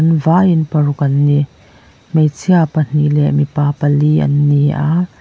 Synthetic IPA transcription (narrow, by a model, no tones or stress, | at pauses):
nvaːʔinpɐrukɐnːiʔ | mejt͡sʰiapɐn̥ilɛ̰ʔmipaːpɐliʔɐ̰nːiʔaʔ